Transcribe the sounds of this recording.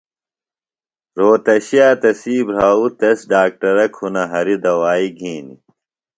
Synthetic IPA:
ɾoːt̪ɐɕijaːt̪ɐsiːbɾaːut̪ɐsɖaːk̚ʈɐɾɐkʰhunɐɦɐɾid̪ɐwaːiɡʱiːnḭ

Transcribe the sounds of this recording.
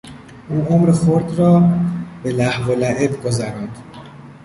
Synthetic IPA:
ʔuːʔomɾexoɾd̪rɒːbe̞læhvolæʔebɡozæɾɑːnd̪̥

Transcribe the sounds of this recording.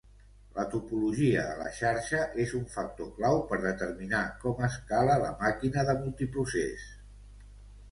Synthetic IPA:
lət̪upuluʒiə̰ðə̰lə̰ʃaɾʃəʔezuɱfək̚t̪oklawpəɾðət̪əɾminakɔməskalələ̰makinəðəmulˠt̪ipɾusḛs

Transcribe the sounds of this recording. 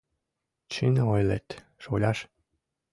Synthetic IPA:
t͡ɕinojlet̪ʲ | ʃolʲɑʃ

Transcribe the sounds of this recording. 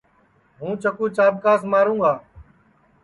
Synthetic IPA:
ɦũːt͡ʃəkũːt͡ʃaːb̚kaːsmaːɾũːɡaː

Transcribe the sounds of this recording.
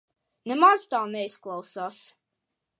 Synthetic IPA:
nɛmazt̪aːnɛisklˠawsaːs

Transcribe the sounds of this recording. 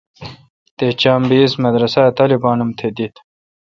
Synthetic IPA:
t̪et͡ɕaːmbiːsmɐd̪ɾɐsat̪aːlibɑːnumt̪ʰed̪it̪

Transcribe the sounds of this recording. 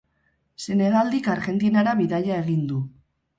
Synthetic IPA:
se̞ne̞ɣald̪ikaɾɣe̞nt̪inaɾaβiðajae̞ɣind̪u

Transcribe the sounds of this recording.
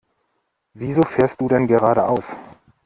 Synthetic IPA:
viːzoːfeːɐst̚d̥uːdɛnɡəʁaːɾəʔaʊs

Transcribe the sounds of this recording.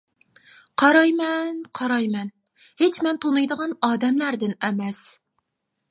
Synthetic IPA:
qʰɑɾɑjmɛnqʰɑɾɑjmɛn | het͡ʃmɛnt̪ʰonɨjd̪əʁɑnɑːd̪ɛmlæɾd̪ɪnɛmɛs

